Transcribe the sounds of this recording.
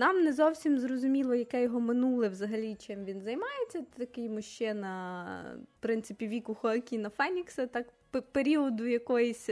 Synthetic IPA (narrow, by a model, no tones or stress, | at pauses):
nɑmnɛzɔwsʲimzrɔzʊmʲilˠɔjɐkɛjɔɦɔmɪnulˠɪʋzɐɦɐlʲit͡ʃɪmʋʲinzɐjmɑjet͡sʲːɐt̪ɐkɪjmʊʃt͡ʃɛnɐ | pɾɪnt̪sɪpʲiʋʲikʊxɔkʲinɐfɛnʲiksɛt̪ɑkppeɾʲiɔd̪ʊjɐkɔjisʲ